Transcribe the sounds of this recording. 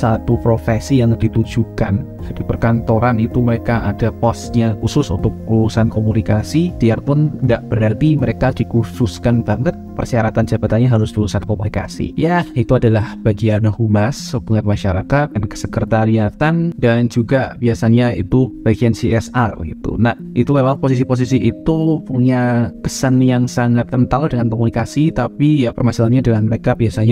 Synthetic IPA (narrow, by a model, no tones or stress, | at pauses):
sat̪upɾofesijaŋdit̪ud͡ʒukan | d͡ʒadipərkant̪oɾanit̪uməɾekaʔadapɔsɲakusʊsṵnt̪ʊk̚uɾusankomunikasid̥iarpʊndaʔb̥əɾart̪iməɾekadikususkant̪aŋɡət̪̚pə̰rsiaɾat̪and͡ʒabat̪anɲaɦaɾʊsdiɾusankomunika̰sḭjait̪uadalahb̥aɡianhumasəbuŋat̪̚maʃaɾakat̪̚dankə̥səkərt̪aɾiat̪andand͡ʒuɡabiasaɲaḭt̪ub̥aiɡiansiɛsarɡḭt̪ṵnahit̪ulewalpos̬is̬ipos̬isiːt̪upuɲakə̥sanjaŋsaŋat̪ːənt̪aŋldəŋankomunikasit̪apijapərmasalanɲadəŋanməɾekabiasaɲa